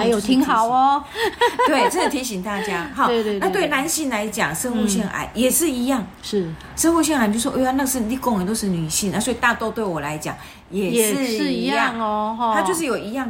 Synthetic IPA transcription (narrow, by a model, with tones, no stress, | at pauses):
a˧˥jo˧˨˩t̪ʰi˧˥ŋxɑ˨˩ʊ˧˦t̪we˥˩ɪ˩t͡sə˥nd̪ə˨˩t̪ʰi˧˥ɕi˨˩ŋt̪a˥˧t͡ɕja˥hɑ˨˦e˥˧e˧na˥˧t̪we˥˩ɪna˧˦nɕi˥˩nla˧˦ɪt͡ɕja̰˨˩ŋʂɤ˥˧xu˥˧ɕjɛ˥˧nʔa̰˨˩˦ɪjɛ˨˩ʂɻ̩˥˩i˧˥jɑ˥˩ŋ | ʂ̩˥˩ | ʂə˥˧xu˥˧ɕ̬jɛ˥˩na˧˩ɪt͡ɕjo˥˩swɔ̰˥ʔla˥˧na˥˨ə˨ʂ̬̩˥˧li˥˧ko˥˧ŋə˨˩t̪o˥˧ʊʂ̬̩˥˩ny˨˩ɕi˥˧na˥˩swɔ˧˥i˨˩t̪a˥˧t̪wo˥˧ʊt̪we˥˩ɪwɔ˨˩la˧˦ɪt͡ɕja̰˨˩˦ŋ | jɛ˨˩ɛ˨ʂ̩˩˥˧jɑ˥˨ŋ˧˥˧t̪ʰa˥t͡ɕjo˥˧ʂɻ̩˥˩jo˨˩i˧˥jɑ˥˨ŋ